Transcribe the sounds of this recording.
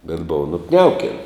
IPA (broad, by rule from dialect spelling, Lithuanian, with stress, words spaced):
bʲɛt ˈboːʋɐ nʊˈknʲɛʊkʲɛn